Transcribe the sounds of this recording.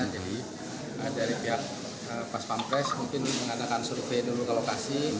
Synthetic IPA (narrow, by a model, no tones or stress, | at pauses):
ədaɾibiaʔ | əpaspampɾɛsmuŋkɪnuməŋadakansurfenulukalokasi